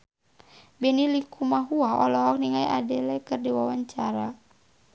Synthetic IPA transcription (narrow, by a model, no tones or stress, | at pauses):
bɛnilikʰumaɦuaɔlɔɦɔk̚niŋajʔa̰dɛlɛkɨrdiwawaɲt͡ʃaɾa